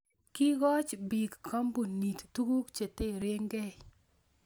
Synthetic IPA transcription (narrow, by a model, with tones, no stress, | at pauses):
ki˦ɣɔ˦t͡ʃbi˨kkʰːɔ˦mbu˨ni˨ttu˦ɡu˦kt͡ʃe˨te˦˨ɾe˦ŋɡɛ˦